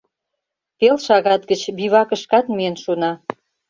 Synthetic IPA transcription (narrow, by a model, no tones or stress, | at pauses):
pelʃɑɣɑt̪ɡət͡ɕbiβɑkə̆ʃkɑt̪miənʃunɑ